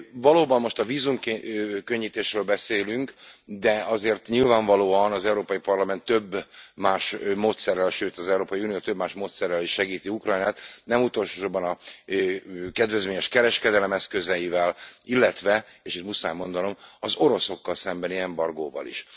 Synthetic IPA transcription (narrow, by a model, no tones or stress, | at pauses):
vɒloːbɒmːo̞ʃt̪ɒviːzumkkøɲːit̪eːʃrøːlbɛseːlyŋkd̪ɛɒzeːrt̪ɲilvaːɱvɒloːɒnɒzɛuɾoːpɒjipɒrlɒmɛnt̪ːø̞bːmaːʃmoːt̪sɛrːɛlʃøːt̪ɒzɛuɾoːpɒjiuːnijoːt̪øbmaːʃmoːt̪sɛrːɛliʃːɛɡiːt̪iukrɒjnaːt̪nɛmut̪o̞lʃoːʃobːɒnɒ | kɛd̪vɛzmeːɲɛʃkɛɾɛʃkɛd̪ɛlɛmɛskøzɛjivɛlilːɛt̪ʋɛeːʃit̪musaːjmːo̞nd̪ɒno̞mɒzo̞ɾo̞so̞kːɒlsɛmbɛniɛmbɒrɡoːvɒ̰lḭʃ